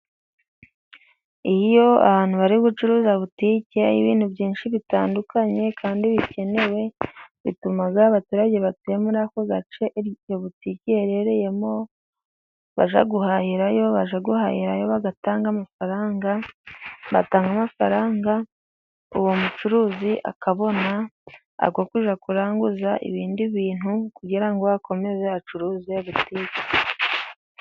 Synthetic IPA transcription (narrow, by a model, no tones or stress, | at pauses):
ijijo̞a̰haːn̥huβaɾiɡut͡ʃuɾuːzaβutiːceḭβḭːn̥hubɟiːnʃiβitaːndukaɲe̞kʰaːndiβice̞ne̞we̞βḭtumaɡaːβatuːɾaɟe̞βatujemuɾakoɡat͡ʃe̞joβuticieɾeɾeje̞mo̞ | βa̰ʒa̰ɡuhahiɾajo̞βaʒaɡuhahiɾajo̞βaɡataːŋɡamafaɾaːŋɡa | βataːŋɡamafaɾaːŋɡa | uwomut͡ʃuɾuːziʔa̰kaβo̞na | a̰ɡokuʒakuɾaːŋɡuzaʔḭβiːndiβiːn̥hukuɟiɾaŋɡo̞βakʰo̞me̞zeat͡ʃuɾuːzeβutikḁ